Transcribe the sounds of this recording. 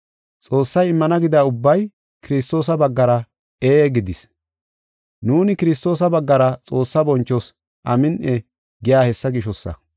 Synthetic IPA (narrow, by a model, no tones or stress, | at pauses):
t͡sʼo̞ːsːɐjɪmːɐnɐɡɪd̪aːʊbːɐj | kɪɾɪst̪o̞ːsɐbɐɡːɐɾɐ | eːɡɪd̪ɪs | nuːnɪkɪɾɪs̬t̪o̞ːsɐbɐɡːɐɾɐt͡sʼo̞ːsːɐbɔnt͡ʃːɔs | ʔɐmɪnʔɛ | ɡɪjaːhɛsːɐɡɪʃɔsːɐ̰